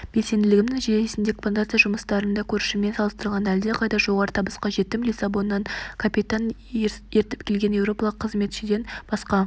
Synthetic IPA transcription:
b̥e̞lse̞nd̪ɪlɪɡʲɪmnɪŋʒeesɪnd̪e̞kfont̪at̪sɨjaʒʊməst̪ɑɾənd̪ɑkʲʰɵɾɪʃɪme̞nsɑlˠəst̪əɾlˠʁɑnæld̪eqʰɑjd̪ɑʒo̞ʁɑɾət̪ʰɑbəsqɑʒe̞t̪ːɪmlʲisabo̞nːɑɴkʰapit̪an | e̞ɾt̪ɪ̥pkʲʰe̞lɡʲe̞njewɾo̞pɑlˠəqʰːəzme̞t̪ʃɪd̪e̞nb̥ɑsqɑ

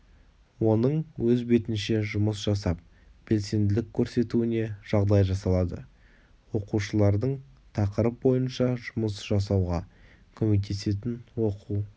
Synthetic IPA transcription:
wo̞nəɴwɵzbe̞t̪ɪnʃe̞ʒʊməsʒ̥ɑsɑp̚ | b̥e̞lse̞nd̪ɪlɪkʲʰːɵɾse̞t̪uɪne̞ʒ̥ɑʁd̪ɑjʒɑsɑlˠɑd̪ə̰ | wo̞quʃəlˠɑɾd̪əɴt̪ʰɑqəɾəp̚bo̞jənʃɑʒʊməsʒ̥ɑsɑwʁɑ | kʲʰɵme̞k̚t̪ʰe̞se̞t̪ɪnwo̞quw

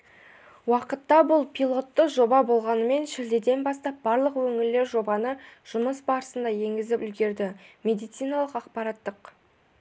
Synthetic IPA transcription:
wɑqət̪ːɑbʊlˠpʰʲijlˠo̞t̪ːəʒo̞bɑbo̞lˠʁɑnəme̞nʃɪld̪ed̪e̞nbɑst̪ɑp̚bɑɾlˠəqwɵŋɪɾle̞ɾʒo̞bɑnəʒ̥ʊməsbɑɾəsənd̪ɑje̞ŋɡʲɪzɪpʏlɡʲe̞ɾd̪ɪme̞d̪ijt̪sijnɑlˠəqɑqpɑɾɑt̪ːəq

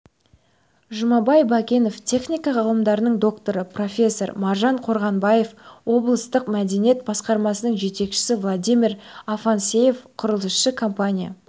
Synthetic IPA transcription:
ʒʊmɑbɑjbɑkʲe̞no̞ft̪ʲʰe̞χnʲijkɑʁɑlˠəmd̪ɑɾənəɴd̪o̞kt̪o̞ɾəpro̞fʲe̞sːo̞ɾmɑɾʒɑɴqʰo̞ɾʁɑnbɑje̞fwo̞blˠəst̪əqmæd̪e̞nije̞t̪̚bɑsqɑɾmɑsənəɴʒe̞t̪e̞kʃɪ̥sɪvlˠad̪ʲijmʲirɑfɑnsʲe̞je̞fqʰʊɾəlˠəʃːəkʰo̞mpanʲija̰

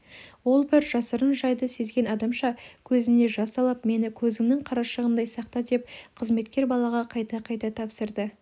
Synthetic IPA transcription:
wo̞lˠbɪɾʒ̥ɑsəɾənʒɑjd̪əse̞zɡʲe̞nɑd̪ɑmʃɑkʲʰɵzɪne̞ʒɑsɑlˠəpme̞nɪkʲʰɵzɪŋnɪŋqʰɑɾɑʃəʁənd̪ɑjsɑqt̪ɑd̪e̞p̚qʰəzme̞t̪kʲe̞ɾbɑlˠɑʁɑqʰɑjt̪ɑqʰɑjt̪ɑt̪ʰɑpsəɾd̪ə

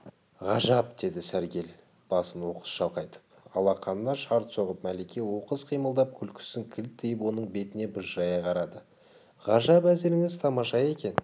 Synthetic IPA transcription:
ʁɑʒɑp̚d̪̥e̞d̪ɪsæɾɡʲe̞l | b̥ɑsənwo̞qə̥z̥ʃɑlˠqɑjt̪ʰə̥p̚ | ɑ̰lˠɑqʰɑnːɑʃɑɾt̪so̞ʁəp̚mælekʲe̞wo̞qəzqʰijməlˠd̪ɑp̚kʲʰʏlkʲʰɪ̥sɪŋkʲʰɪlt̪ʰːejɪpwo̞nəɴbe̞t̪ɪne̞bʊzʒɑjɑʁɑɾɑd̪ə | ʁɑʒɑpæzeɾɪŋɪzt̪ʰɑmɑʃɑje̞kʲe̞n

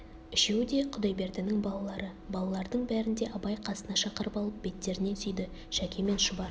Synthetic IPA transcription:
ɪʃe̞wd̪e̞qʰʊd̪ɑjbe̞ɾd̪ɪnɪŋbɑlˠɑlˠɑɾəbɑlˠɑlˠɑɾd̪əɴbæɾɪnd̪e̞ʔɑbɑjqʰɑsənɑʃɑqəɾəpɑlˠəp̚b̥e̞t̪ːe̞ɾɪne̞sʏjd̪ɪ | ʃækʲʰe̞me̞nʃʊbɑ

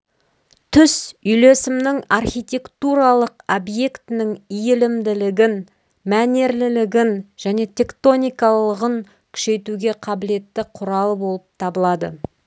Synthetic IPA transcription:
t̪ʰʏsʏjle̞sɪmnɪŋarχijt̪ʲe̞kt̪uɾɑlˠəqobje̞kt̪ɪnɪŋijɪlɪmd̪ɪlɪɡʲɪn | mæne̞ɾlɪlɪɡʲɪnʒ̥æne̞t̪ʲʰe̞kt̪o̞nijkɑlˠəʁəŋ | kʲʰʏ̥ʃe̞jt̪uɡʲe̞qʰɑbɪle̞t̪ːɪqʰʊɾɑlˠəbo̞lˠəp̚t̪ʰɑbəlˠɑd̪ə̰

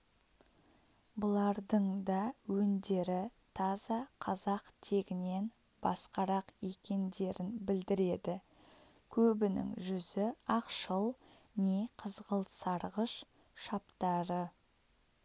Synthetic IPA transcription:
bʊlˠɑɾd̪əɴd̪ɑwɵnd̪e̞ɾɪt̪ʰɑzɑqʰɑzɑqt̪ʰe̞ɡʲɪne̞n | b̥ɑ̰sqɑɾɑqe̞kʲe̞nd̪e̞ɾɪnbɪld̪ɪɾe̞d̪ɪ | kʲʰɵbɪnɪ̰ŋʒʏzɪɑqʃəlˠneqʰəzʁəlˠsɑɾʁəʃ | ʃɑpt̪ɑɾə

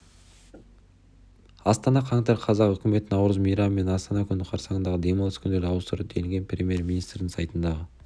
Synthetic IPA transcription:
ɑst̪ɑnɑqʰɑŋt̪ɑɾqʰɑzɑqʏkʲɪme̞t̪ɪnɑwɾəzmijɾɑmːe̞nɑst̪ɑnɑkʲʰʏnɪqʰɑɾsɑʁənd̪ɑʁəd̪e̞mɑlˠəskʲʰʏnd̪e̞ɾd̪ɪɑwəst̪əɾəp̚d̪ʰeɪŋɡʲe̞nprʲemʲje̞ɾmʲinist̪ɾd̪ɪŋsɑjt̪ənd̪ɑʁə

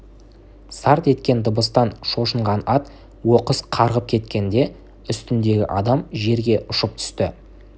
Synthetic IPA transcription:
sɑɾt̪e̞t̪kʲe̞nd̪əbəst̪ɑnʃo̞ʃəɴʁɑnɑt̪ | wo̞qəsqʰɑɾʁəp̚kʲʰe̞t̪kʲe̞nd̪e̞ | ʏst̪ɪnd̪e̞ɡʲɪ̰ʔɑd̪ɑmʒe̞ɾɡʲe̞ʔʊʃəp̚t̪ʰʏ̥st̪ɪ

